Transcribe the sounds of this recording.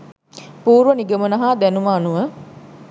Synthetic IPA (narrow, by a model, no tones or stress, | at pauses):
puːɾʋəniɡəmənɐɦaːd̪ænumaːnuʋə